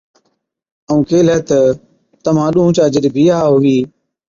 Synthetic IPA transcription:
əũːkeːlɛːt̪ə | t̪əmãːɗũːũt͡ʃaːd͡ʒəɗbʱiːaːɦʊʋiː

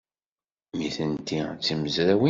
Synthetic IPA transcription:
miθənt̪it͡sːiməzɾæwi

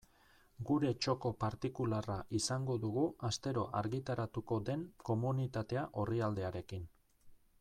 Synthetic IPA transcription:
ɡuɾe̞t͡ʃo̞ko̞paɾt̪ikularaʔisaŋɡo̞ðuɣ̞uast̪e̞ɾo̞ʔaɾɣit̪aɾat̪uko̞d̪e̞ŋko̞munit̪at̪e̞aʔo̞riald̪e̞aɾe̞kin

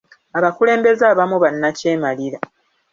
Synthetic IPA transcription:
aβakule̞ːmbe̞zaβamuβanːace̞ːmaliɾa

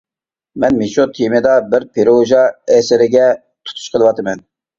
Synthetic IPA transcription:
mɛnmeʃot̪ʰimɨd̪ɑbɪɾpʰeɾoʒɑɛsɪɾɪɡʲɛ | t̪ʰu̥t̪ʰu̥ʃqʰəlˠɨwɑt̪ɨmɛn

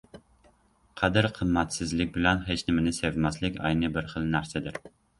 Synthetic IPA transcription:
qʰæd̪ɪɾqʰəmːɛt̪sɪzlɪk̚ʲbɪlɛnɦet͡ʃnɪmɪnɪsevmɛslɪkʲɑ̰jnɨbɪɾχəlˠnæɾsɛd̪ɪɾ

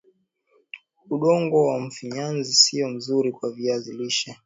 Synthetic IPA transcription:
uɗɔŋɡɔwam̩fiɲanzisiɔm̩zuɾikwaviaziliʃa

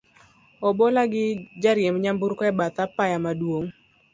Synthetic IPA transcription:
ɔbolaɡɪd͡ʒaɾjemɲambuɾkɔɛbat̪apajamadwoŋ

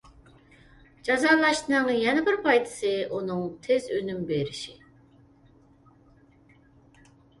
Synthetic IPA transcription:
d͡ʒɑzɑːlˠɑʃnɨŋjɛnɪbɪɾpʰɑjt̪ʰɪ̥sɨʔunɨŋt̪ʰɪzønymbeɾɪʃi

